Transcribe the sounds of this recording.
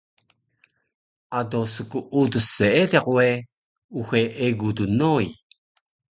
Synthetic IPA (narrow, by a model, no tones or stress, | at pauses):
ʔadosəkuʔudəseeteʁue | uxeʔeɡudunoi